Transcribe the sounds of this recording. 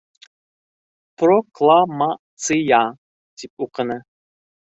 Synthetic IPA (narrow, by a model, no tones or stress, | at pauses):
pʰrokʰlˠama | t͡sʰɨja | t̪ʰip̚ʼuqʰənɨ